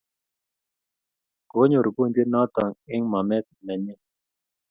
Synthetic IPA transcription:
ɡ̥oɲoɾɡund̪inaːt̪aŋeŋmamet̪̚nɐɲi

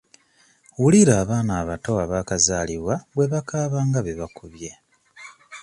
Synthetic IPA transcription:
wuliɾaːβaːnaːβato̞aβaːkazaːliβwaβwe̞βakaːβaːŋɡaβeβakuβje̞

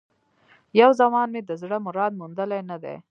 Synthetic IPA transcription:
jawzamɑnmed̪əzɽəmʊɾɑd̪̚mund̪əlajnad̪ḛ

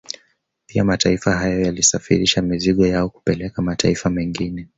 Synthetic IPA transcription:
pijamataifaɦajɔjalisafḭɾiʃamiziɠɔjaɔku̥pɛlɛkamatʰa̰ifamɛŋɡinɛ

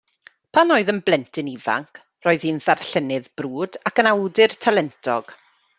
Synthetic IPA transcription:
pʰanoːɨðənblˠɛntʰɨniva̰ŋkʰ | roːɨðiːnðarɬɛnɪðb̥ruːdakənawdɨrtʰalɛntʰɔ̰ɡ̥

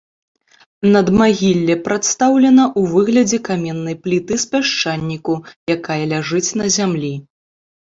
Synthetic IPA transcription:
nɐd̪maɣʲilʲːɛpɾʔat̪st̪awlʲɛnɐʔuvɨɣlʲɐd͡zʲɛkamʲɛnːɐjplʲit̪ɨspʲaʂt͡ʂanʲːikujakajɐlʲaʐɨt͡sʲnɐzʲamlʲi

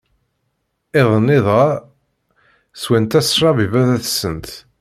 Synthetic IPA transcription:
ɪðˤənːiðˤa | swænt̪æsʃˤɑvivæðæθsənt̪

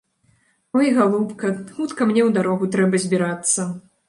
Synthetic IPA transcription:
ɔjɣalˠupkɐxut̪kɐmnʲɛwd̪aɾɔɣut̪ɾɛbɐzʲbʲiɾat̪sːɐ

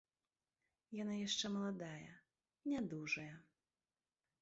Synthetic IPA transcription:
janajaʂt͡ʂɛmɐlˠad̪ajɐ̰ | nʲad̪uʐɐjɐ

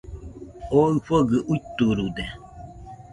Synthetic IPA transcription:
oɨfəɡəʔutuɾudɛ

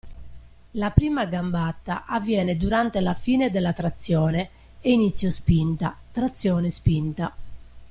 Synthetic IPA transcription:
lapɾiːmaɡambat̪ːaʔavːjɛːned̪uɾant̪elafiːned̪elːat̪ɾat̪sːjɔːne | einit̪sːjospint̪at̪ɾat̪sːjɔːnespint̪a

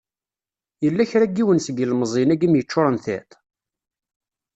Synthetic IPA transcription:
jəlːæçɾæɡːiwənsəɡəlməzˤinæɡimjət͡ʃːʊɾˤənθæ̰t̪

